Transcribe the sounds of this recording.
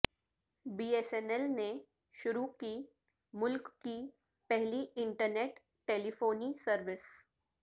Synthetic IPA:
biːesɛnɛlne | ʃʊɾukiː | mʊlkːi | pɛɦliɪ̃ɳʈəɾneːʈ | ʈːeːlifoːnisəɾʋɪs

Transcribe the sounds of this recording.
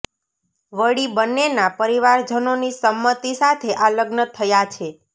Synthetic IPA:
ʋəɽibənːenapəɾiʋaɾd͡ʒənonisəmːət̪isat̪ʰeʔaləɡnət̪ʰəjat͡ʃʰe

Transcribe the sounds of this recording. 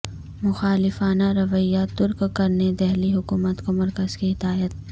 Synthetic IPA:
mʊxaːlɪfaːnaɾɐʋəijːat̪ʊɾkkɐɾned̪ɛɦliɦʊkuːmət̪komɐɾkəz̥kiɦɪd̪aːjət̪̚

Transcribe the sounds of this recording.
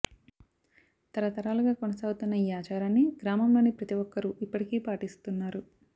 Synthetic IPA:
t̪ɐɾɐt̪ɐɾaːluɡaːkonɐsaːɡut̪unːɐjaːt͡ʃaːɾaːnːiɡɾaːmɐmloːnipɾɐt̪iʋɔkːɐɾuʔipːɐʈikiːpaːʈist̪unːaːɾu

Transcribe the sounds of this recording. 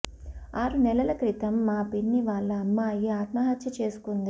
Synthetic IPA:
aːɾunɛlɐlɐkɾit̪ɐmːaːpinːiʋaːɭːɐɐmːaːjiaːt̪mɐɦɐt̪t͡ʃɐt͡ʃe̞ːsu̥kund̪i

